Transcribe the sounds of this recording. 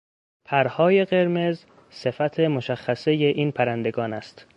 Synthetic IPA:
pʰæɾhɒːje̞ɢe̞ɾme̞z | se̞fæt̪ʰe̞mo̞ʃæxːæseje̞ʔiːnpʰæɾænd̪e̞ɡɒːnæst̪

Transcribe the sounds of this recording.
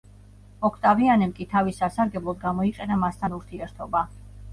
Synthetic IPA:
mɔkʰt̪ʼavianɛmkʼit̪ʰavisasaɾɡɛblˠɔd̪̚ɡamɔiqʼɛnamast̪ʰanuɾt̪ʰiɛɾt̪ʰɔba

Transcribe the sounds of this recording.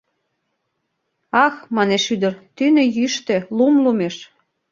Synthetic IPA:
ɑxmɑneʃyd̪ərt̪ynejyʃt̪ĕlumlumeʃ

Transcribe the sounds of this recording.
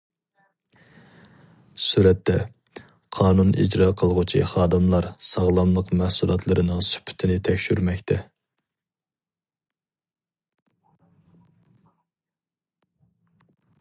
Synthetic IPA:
suɾɛt̪ːɛ | qʰɑːnunḭd͡ʒɾɑːqʰəlˠəʁut͡ʃʰḭχɑːd̪ɨmlˠɑɾsɑʁlˠɑmlˠəqmæhsulˠɑt̪ʰlˠɨɾɨnɨŋsy̥pʰɪ̥t̪ʰɪnɪt̪ʰɛkʲʃyɾmɛkʲt̪ʰɛ

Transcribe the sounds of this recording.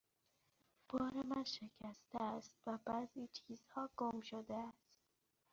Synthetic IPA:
b̥ɒːɾemænʃe̞cʰæst̪eæst̪væbæziːt͡ʃʰiːzhɒːɡ̥omʃod̪eæst̪

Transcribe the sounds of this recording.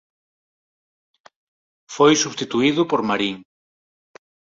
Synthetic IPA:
fojsust̪it̪uiðʊpoɾmaɾiŋ

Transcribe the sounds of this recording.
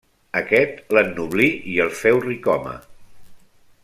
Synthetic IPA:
əkɛt̪lənːuβliiəlˠfɛwrikɔmə̰

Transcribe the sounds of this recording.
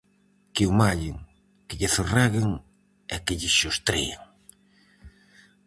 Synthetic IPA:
kɪʊmaʎɪŋ | kɪʎɪθorɛɣɪŋ | ɛkɪʎɪʃost̪ɾḛeŋ

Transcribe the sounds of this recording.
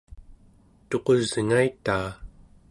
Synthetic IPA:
t̪o̞qo̞zŋait̪aː

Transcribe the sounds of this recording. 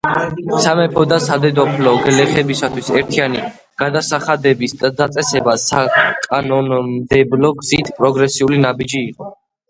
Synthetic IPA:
samɛpʰɔd̪asad̪ɛd̪ɔpʰlɔɡlɛχɛbisat̪ʰwisɛɾt̪ʰiani | ɡ̥ad̪asaχad̪ɛbisd̪ad̪at̪sʼɛsɛbasakʼanɔnmd̪ɛblɔɡzit̪ʰpʼɾɔɡɾɛsiulinabid͡ʒiːqʼɔ

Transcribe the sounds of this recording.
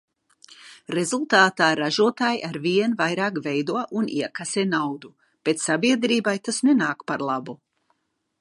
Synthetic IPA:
ɾezulˠt̪aːt̪aːɾaʒuɔt̪aːjʔaɾviɛnvajɾaːkvɛjd̪uɔʔunḭɛkaseːnawd̪u | b̥et̪ssabiɛd̪ɾiːbajt̪asnenaːkpaɾlˠabu

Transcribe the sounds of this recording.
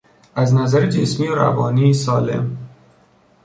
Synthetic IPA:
æznæzæɾed͡ʒe̞smiːoɾæ̰vɒːniːsɒːle̞̰m

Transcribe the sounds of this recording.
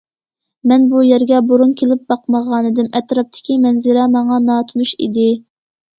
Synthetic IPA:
mɛnbujɛɾɡʲɛboɾunkʲelɪp̚bɑqməʁɑːnɨd̪ɪmɛt̪ɾɑp̚t̪ʰɪ̥kʲimɛnzɪɾɛmɑŋɑnɑːt̪ʰnuʃḭd̪ɪ

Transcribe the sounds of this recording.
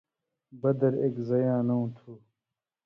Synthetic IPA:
bɐd̪ɐɾeːkzɐjãːnɐũt̪ʰuː

